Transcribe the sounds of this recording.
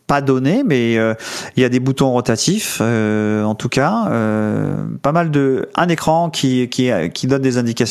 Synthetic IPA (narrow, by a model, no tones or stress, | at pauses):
pad̪ɔnemɛøiljad̪ebut̪ɔ̃ʁɔt̪at̪ʰiføɑ̃t̪ukaø̰ | pamald̪əɛ̃nekχɑ̃kʲʰikʲikʲid̪ɔnd̪ezɛ̃d̪ikas